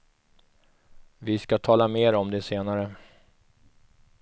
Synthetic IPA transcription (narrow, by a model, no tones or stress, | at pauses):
vɪskat̪ʰɑːlameːɾɔmd̪ɛseːnaɾə